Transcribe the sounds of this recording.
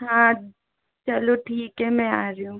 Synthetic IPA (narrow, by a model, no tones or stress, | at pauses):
ɦãː | t͡ʃɐloʈʰiːkɦɛmɛ̃aːɾəjũː